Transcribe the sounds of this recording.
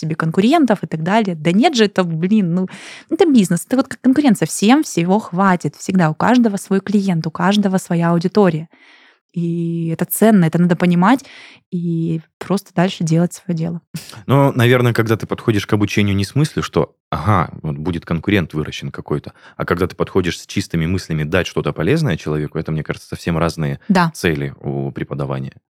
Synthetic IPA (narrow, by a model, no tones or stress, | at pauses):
sʲɪbʲe̞kənkʊɾʲe̞nt̪əfɨt̪ɐɡd̪alʲɪjəd̪ɐnʲe̞t̪ʐɨt̪oblʲinːuɛt̪əbʲiznɨsɛt̪əvot̪̚kakkːənkʊɾʲent̪sɨjəfsʲe̞mfsʲɪvo̞xvatʲɪt̪fsʲɪɡd̪aʊkaʐd̪əvəsvo̞jklʲɪjent̪ʊkaʐd̪əvəsvɐjaɐʊdʲɪt̪o̞ɾʲɪjə | iɛt̪ət̪sɛnːəɛt̪ənad̪əpənʲɪmatʲ | ipɾo̞st̪əd̪alʲʂɨdʲe̞lˠətʲsvɐjodʲe̞̰lˠənonɐvʲe̞rnəkɐɡ̚d̪at̪ɨpɐt̪xo̞dʲɪʂkɐbʊt͡ɕenʲɪjʊnʲɪsmɨsʲlʲʊʂt̪o̞̰ | ɐ̰ɦa̰vot̪̚budʲɪt̪kənkʊɾʲe̞nt̪vɨɾəɕːɪnkɐko̞jt̪ə̥ɐkɐɡd̪at̪ɨ̥pɐt̪xo̞dʲɪʂsʲt͡ɕist̪ɨmʲɪmɨsʲlʲɪmʲɪd̪atʲʂt̪o̞t̪əpɐlʲe̞znəjət͡ɕɪlˠɐvʲe̞kʊɛt̪əmnʲe̞kaʐɨt̪sə̥sɐfsʲemɾaznɨjəd̪at̪sɛlʲɪṵpɾʲɪpəd̪ɐva̰nʲɪ̰jə